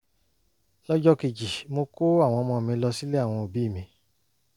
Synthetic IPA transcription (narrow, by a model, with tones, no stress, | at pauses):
lɔ˦d͡ʒɔ˦ki˧d͡ʒi˨mo˧ko˦a˦˨w̃ɔ̃˧mɔ̃˧˨mĩ˧˦lɔ˧si˦le˦a˦˨w̃ɔ̃˧o˨bi˨˦˨mĩ˧